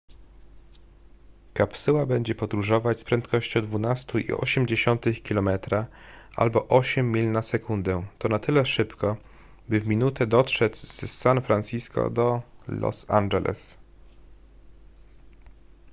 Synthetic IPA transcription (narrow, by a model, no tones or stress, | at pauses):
kapsɘwabɛɲd͡ʑɛpɔd̪ɾuʐɔvat͡ɕspɾɛnt̪kɔɕt͡ɕɔ̃wd̪vunast̪uḭɔ̰ɕɛmd͡ʑeɕɔnt̪ɘxkʲilɔmɛt̪ɾa | ʔa̰lbɔʔɔɕɛmʲːilnasɛkund̪ɛt̪ɔnat̪ɘlɛʂɘpkɔ | bɘvmʲinut̪ɛd̪ɔtʂɛzz̥sanfɾanʲsiskɔ̰d̪ɔlɔ̰sa̰nd͡ʒɛlʔɛ̰s